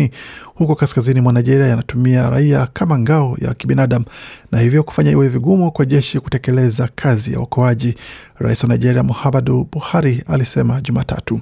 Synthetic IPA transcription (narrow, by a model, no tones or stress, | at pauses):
ihukɔkaskazinimwanajʄɛɾiajanatumiaɾa̰iakʰamaŋɡaɔja̰kiɓinaɗam̩nahivjɔku̥faɲaiwɛviɡumukwaʄɛʃikutɛkɛlɛzakʰazija̰wakɔaʄi | ɾa̰iswanajʄɛɾiamuhamaɗuɓuhaɾialisɛmaʄumaːtʰa̰tu